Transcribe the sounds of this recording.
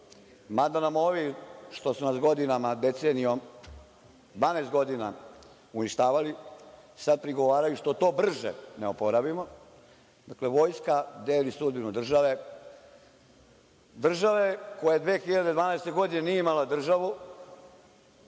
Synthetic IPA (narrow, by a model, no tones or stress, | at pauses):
mad̪anamo̞ːʋiʃt̪o̞sunasɡo̞d̪inamad̪et̪seniom | d̪ʋaːneːst̪ɡo̞d̪ina | uniʃt̪aːʋalisad̪̚pɾiɡo̞ʋaːɾajuʃt̪o̞t̪o̞ːbr̩ʒḛneopo̞ɾabimo̞ | d̪akleʋo̞ːjskad̪eːlisud̪̚binud̪r̩ʒaʋe | d̪r̩ʒaʋe̞kojad̪ʋeːxiʎad̪e̞d̪ʋaːnɛest̪e̞ɡo̞d̪inenijeimalad̪r̩ʒaʋu